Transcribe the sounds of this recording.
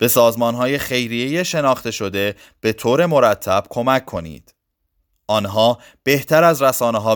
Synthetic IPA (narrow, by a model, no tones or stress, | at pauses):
b̥e̞sɒːzmɒːnɦɒːje̞xe̞jɾijejeʃe̞nɒːχt̪e̞ʃo̞d̪e̞ | b̥e̞t̪ʰoːɾe̞mo̞ɾæt̪ʰːæb̥̚kʰo̞mækʰːo̞nḭːd̪̥ | ʔɒːnɦɒː | b̥e̞ht̪ʰæɾæzɾæsɒːneɦɒː